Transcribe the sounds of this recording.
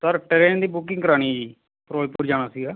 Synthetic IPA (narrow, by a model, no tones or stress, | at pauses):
səɾʈəɾeːnd̪iːbʊkɪ̃ŋkəɾaːɽ̃iːd͡ʒiː | pɾoːjpuːɾd͡ʒaːɽ̃aːsɪɡaː